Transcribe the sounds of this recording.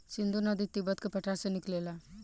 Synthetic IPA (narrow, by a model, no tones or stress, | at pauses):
sind̪unad̪it̪ːibət̪kepɐʈʰaseniklela